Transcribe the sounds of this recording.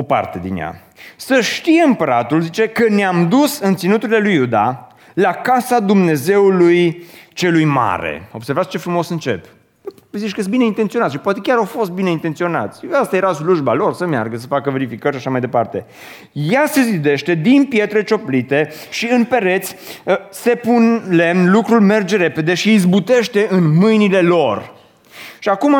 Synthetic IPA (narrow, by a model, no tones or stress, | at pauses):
o̞pa̰rt̪e̞d̪ḭnja̰ | səʃt̪ijeɨmpəɾat̪ulzit͡ʃe̞kəneamd̪usɨnt̪sinut̪uɾile̞lujud̪a | lakasad̪umne̞ze̞ulujt͡ʃe̞lujma̰ɾḛo̞bse̞rvat̪sʲt͡ʃe̞fɾumo̞sɨnt͡ʃe̞p | zit͡ʃkəjest̪̚bineint̪ent̪sioat̪ʃipwat̪e̞kʲaɾawfo̞st̪̚bineint̪ent̪sio̞na̰t̪sʲast̪aje̞ɾasluʒbalo̞rsəmja̰rɡəsəfakəve̞ɾifikəɾʲʃaʃamajd̪e̞part̪e̞ | jase̞zid̪e̞ʃt̪e̞d̪inpje̞t̪ɾe̞t͡ʃo̞plit̪e̞ʃiɨnpe̞ɾe̞t̪sʲ | se̞punle̞mnlukɾulme̞rd͡ʒe̞ɾe̞pe̞d̪e̞ʃiːzbut̪e̞ʃt̪e̞ɨnmɨjnile̞lo̞r | ʃiakuma